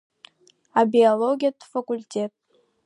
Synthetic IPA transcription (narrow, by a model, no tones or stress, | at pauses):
abioloɡʲijadʰʼfakulʲtʲʰʼetʼ